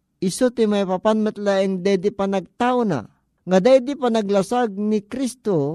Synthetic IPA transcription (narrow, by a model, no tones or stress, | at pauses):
ʔisut̪imajpapanmɛt̪laɛŋd̪ajd̪ipanaɡ̚t̪aʊna̰ | ŋad̪ajd̪ipanaɡlasaɡ̚nikɾist̪o